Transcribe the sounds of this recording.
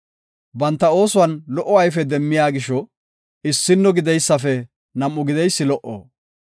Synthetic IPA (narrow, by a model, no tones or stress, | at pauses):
bɐnt̪ːɐo̞ːsʊwɐnlɔʔːɔɐjfɛd̪ɛmːɪjaːɡɪʃɔ | ɪsːɪnːɔɡɪd̪ɛjsːɐfɛ | nɐmːʊɡɪd̪ɛjsːɪlɔʔo̰ː